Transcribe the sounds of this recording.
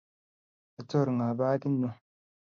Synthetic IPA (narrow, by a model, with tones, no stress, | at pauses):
a˨to˦˨ɾŋa˨baː˦ki˦nːu˦